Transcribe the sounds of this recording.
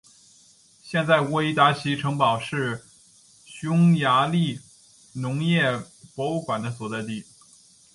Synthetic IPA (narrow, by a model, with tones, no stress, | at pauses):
ɕjɛ˥˧nt͡sa˥˩ɪwe˥i˥t̪a˧˥t͡ɕʰi˧˥ʈ͡ʂʰɤ˧˥ŋpɑ˨˩ʊʂɻ̩˥˩ | ɕʊ˥ŋja˧˥li˥˩ | nʊ˧˥ŋjɛ˥˩ | pwɔ˧˥u˥˩kwa˨˩nd̪ə˦s̬wɔ˨˩t͡sa˥˧ɪt̪i˥˩